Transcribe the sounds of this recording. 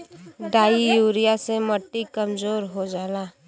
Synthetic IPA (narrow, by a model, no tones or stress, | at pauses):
ɖaːijuːɾijaseməʈːikəmd͡ʒoːɾɦod͡ʒaːla